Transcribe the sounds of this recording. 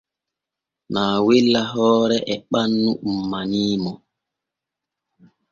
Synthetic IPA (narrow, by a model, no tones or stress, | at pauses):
naːwilːaɦɔːɾɛʔɛɓanːumːaniːmɔ